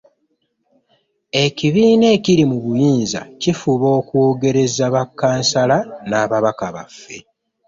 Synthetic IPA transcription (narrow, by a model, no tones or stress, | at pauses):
e̞ciβiːne̞ːciɾimuβujiːnza̰cifuβo̞ːkwoːɡe̞ɾe̞zaβakːaːnsalanaːβaβakaβa̰fːe̞